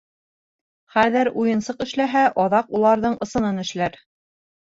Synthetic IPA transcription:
χæðɘɾujɤ̆nsɤqɘ̆ʃlæɦæʔɒðɑqulˠɑɾðɤɴɤ̆sɤ̆nɤnɘ̆ʃlæɾ

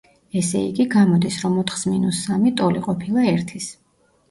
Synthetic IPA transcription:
ɛsɛḭɡiɡamɔd̪isɾɔmɔt̪ʰχsminusːamit̪ʼɔliqʼɔpʰilˠaɛɾt̪ʰis

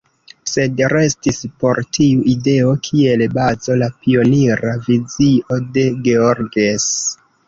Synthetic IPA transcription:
se̞dɾe̞stispo̞ɾtiuʔide̞o̞kʰie̞lbazo̞lapio̞niɾaviziʔo̞de̞ɡe̞oɾɡes

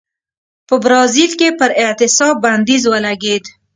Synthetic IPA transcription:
pəbɾɑzilkepəɾɪʕt̪ɪsɑbbːand̪izwəlaɡed̪

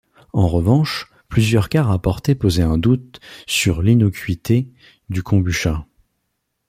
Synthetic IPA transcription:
ɑ̃ʁəvɑ̃ʃ | plyzjœʁkaʁapɔʁt̪epozeɛ̃d̪ut̪syʁlinɔkʲɥit̪ʰe | d̪ykʰɔ̃byʃa

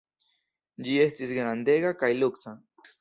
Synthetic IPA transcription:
d͡ʒie̞stisɡɾand̪e̞ɣakajluksa

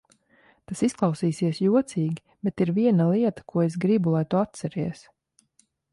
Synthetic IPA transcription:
t̪asisklˠawsiːsiɛsjuɔt̪siːɡʲi | bɛt̪iɾviɛnalˠiɛt̪ḁkuɔes̬ɡɾibulˠajt̪uat̪̚t̪sɛɾiɛs

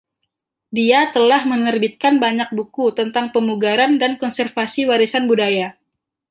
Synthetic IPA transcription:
diat̪əlahmənərbit̪̚kanbaɲak̚bukut̪ənt̪aŋpəmuɡaɾandankɔnsərfasiwaɾisanbudaja

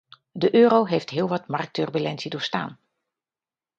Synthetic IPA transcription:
dəʔøːɾowɦejftɦɪːlˠʋɑtmɑrk̚tørbylɛnsidoːɹsta̰ːn

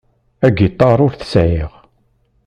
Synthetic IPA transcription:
æɡit̪ˤːɑɾˤʊɾθə̥sʕjiʁ

